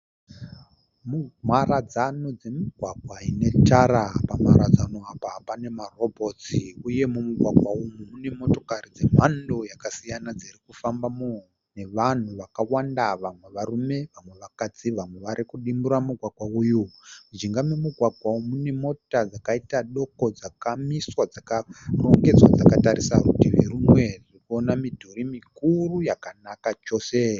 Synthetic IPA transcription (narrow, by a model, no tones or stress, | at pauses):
mumarad͡zano̞d͡ze̞miɡʱwaɡʱwaine̞taɾapama̰ɾad͡zano̞apapane̞maro̞bʱo̞t͡siuje̞mumuɡʱwaɡʱwaumumune̞mo̞to̞karid͡ze̞m̤ando̞jakasijanad͡zirikufambamo | ne̞ʋan̤uʋakawandaʋamwe̞ʋarume̞ʋamwe̞ʋakad͡ziʋamwe̞ʋaɾikuɗimbuɾamuɡʱwaɡʱwauːjumud͡ʒiŋɡamwemuɡʱwaɡʱwaumune̞mo̞tad͡zakaitaɗo̞ko̞d͡zakamiswad͡zakaro̞ŋɡe̞d͡zwad͡zakataɾisarutiʋiɾumwe̞ririkuo̞namidʱoɾimikurujakanakat͡ʃo̞ːse̞